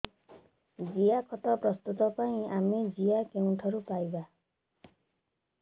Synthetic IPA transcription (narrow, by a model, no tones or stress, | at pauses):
d͡ʒijakʰɔt̪ɔpɾɔst̪ut̪ɔpaĩamid͡ʒijakeũʈʰɔɾupajba